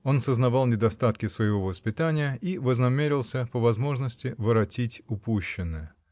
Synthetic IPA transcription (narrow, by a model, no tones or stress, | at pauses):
o̞nsəznɐvɑlˠnʲɪd̪ɐst̪at̪kʲɪsvəjɪvo̞vəspʲɪt̪anʲɪjəʔivəznɐmʲeɾʲɪlˠsʲəpəvɐzmo̞ʐnəsʲtʲɪvəɾɐtʲitʲʊpuɕːɪnːɨjə